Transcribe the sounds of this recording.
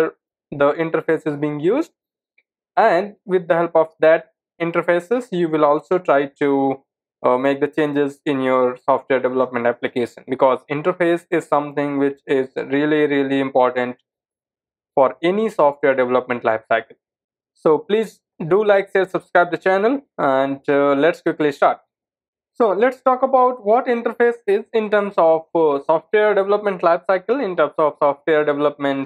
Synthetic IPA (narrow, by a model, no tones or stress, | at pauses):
ɾ | d̪əʔɪ̃ɳʈəɾfeːsɪzbiɪ̃ŋɡjuːzɖ̚ | æ̃ɳɖʋɪd̪̚ːəɦɛlpɔʋd̪æʈ̚ | ɪ̃ɳʈəɾfeːsɪzjuːʋɪlɔːlsoːʈɾaɪʈu | meːk̚d̪ət͡ʃẽːnd͡ʒɪzɪ̃njɔːɾsɔːfʈʋeːɾɖɛʋɛləpmɛ̃ɳʈæplɪkeːʃə̰̃nbɪkɔːzɪ̃ɳʈəɾfeːsɪzsʌ̃mt̪ʰɪ̃ŋɡʋɪt͡ʃɪzɾiəliɾiəliɪ̃mpɔːɾʈə̃ɳʈ̚ | fɔːɾenisɔːfʈʋeːɾɖɛʋɛləpmɛ̃ɳʈla̰ɪfsaɪkəl | soːpliːz | ɖuːlaɪksesʌb̥skɾaɪb̚d̪ət͡ʃænəlæ̃ɳɖlɛʈskwɪklisʈaːɾʈ̚ | soːlɛʈsʈɔːkəbaʊʈ̚ʋɔːʈɪ̃ɳʈəɾfeːsɪzɪ̃nʈəːɾmsɔːʋsɔːfʈʋeəɾɖɛʋləpmɛ̃ɳʈlaɪʋsaɪkəlɪ̃nʈəːɾmsɔːfmsɔːfʈʋeəɾɖɛʋɛləpmɛ̃ɳʈ